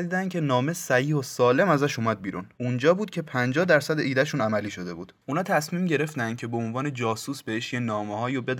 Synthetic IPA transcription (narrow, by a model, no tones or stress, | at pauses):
d̪iːd̪æncʰʲe̞nɒːme̞sæhiːhosɒːle̞mæzæʃumæd̪̚biːɾṵnund͡ʒɒːbuːd̪̚cʰe̞pʰænd͡ʒɒːhd̪æɾsæd̪eʔiːd̪æʃuːnæmæliːʃo̞d̪e̞bṵːd̪̥unɒːt̪ʰæsmiːmɟe̞ɾe̞ft̪ænd̪̚cʰe̞beonvɒːne̞d͡ʒɒːsuːsbe̞heʃjenɒːmehɒːjobed̪